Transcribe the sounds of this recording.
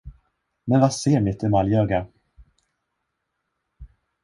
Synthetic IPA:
mɛnvaseːɾmɪt̪ʰɛmaljœːɡa

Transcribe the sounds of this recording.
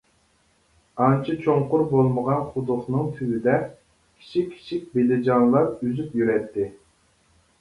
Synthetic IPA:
ɑnt͡ʃʰit͡ʃʰoŋqʊɾbolˠməʁɑnχʊd̪ʊχnɨŋt̪ʰywid̪ɛ | kʲʰi̥t͡ʃʰikʲʰi̥t͡ʃʰik̚ʲbelɪd͡ʒɑnlˠɑɾyzypjyɾɛt̪ʰːɪ

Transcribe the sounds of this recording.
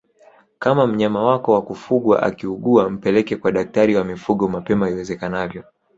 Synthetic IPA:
kamam̩ɲamawakɔwakufuɠwa̰ʔa̰kiuɠuam̩pɛlɛkɛkwaɗak̚taɾiwamifuɠɔmapɛmaiwɛzɛkanavjɔ

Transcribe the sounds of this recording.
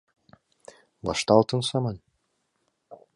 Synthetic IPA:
bɑ̰ʃt̪ɑːlˠt̪ɯnsɑmɑn

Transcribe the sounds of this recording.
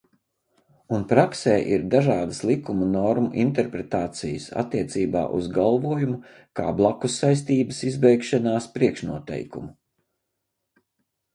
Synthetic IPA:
unpɾaksɛːʔiɾd̪aʒaːd̪əslˠikumunɔɾmṵʔḭnt̪ɛɾpɾɛt̪aːt̪sijə̰sa̰t̪ːiɛt̪siːba̰ːʔṵzɡalˠvuɔjumu | ka̰ːblˠakusːajs̬t̪iːbəsizbɛjkʃanaːspɾiɛkʃnuɔt̪ɛ̰jkumu

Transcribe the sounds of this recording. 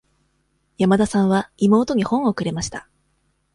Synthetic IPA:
jamad̪asãɰ̃βaimo̞ːt̪o̞ɲ̟ihõ̞ɰ̃o̞kɯ̟ɾe̞maɕi̥t̪a

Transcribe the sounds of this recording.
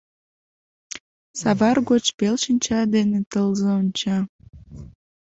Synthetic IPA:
sɑβɑrɣot͡ɕpelʃənʲt͡ɕɑd̪enet̪əlzeonʲt͡ɕɑ

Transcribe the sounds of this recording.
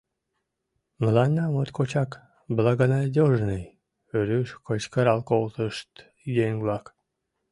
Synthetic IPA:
məlɑnʲːɑmot̪kot͡ɕɑk | bəlɑɣənɑd̪ʲoʒnəj | øɾyʃkət͡ɕkəɾɑlˠkolt̪əʃt̪ | jeŋblɑk

